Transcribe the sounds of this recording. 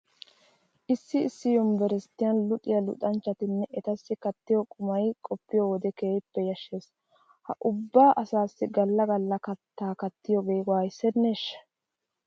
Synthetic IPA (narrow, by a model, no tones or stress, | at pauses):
ʔɪsːɪːsːɪjɔmbɛɾɛst̪ːɪjɐnlʊt̪ʼɪjɐlʊ̰t̪ʼɐnt͡ʃːɐt̪ɪnːɛʔɛt̪ɐsːɪkɐt̪ːɪjɔkʼʊmɐjkʼɔpːɪjɔwɔd̪ɛkeːjɪpːɛjɐʃːe̞ːs | hɐ̰ʔʊbːaːʔɐsaːsːɪɡɐlːɐɡɐlːɐkɐt̪ːaːkɐt̪ːɪjɔɡeːɡwaːjsɛneʃːɐ̥